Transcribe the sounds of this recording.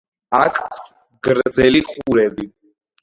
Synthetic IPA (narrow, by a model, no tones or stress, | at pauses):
akʼpʰs | ɡɾd̪zɛliqʼuɾɛbi